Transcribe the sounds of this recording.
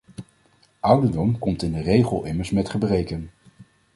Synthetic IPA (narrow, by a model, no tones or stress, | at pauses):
ʔʌwdəɹdɔmkɔmtɪndərejχəlˠɪməɹsmɛtχəbrejkən